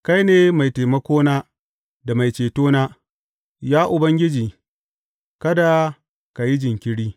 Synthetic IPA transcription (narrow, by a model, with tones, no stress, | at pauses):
ka˦jneː˨ma˨jteː˨mɐ˦kʷoː˦naː˦ | da˨ma˨jt͡ʃeː˨toː˦naː˦ | jaː˦ʔʊ˨bɐ˦ŋɡʲɪ˦d͡ʒiː˨ | kɐ˦da˨ | ka˨ji˦d͡ʒɪ˨ŋkʲɪ˦ɽiː˦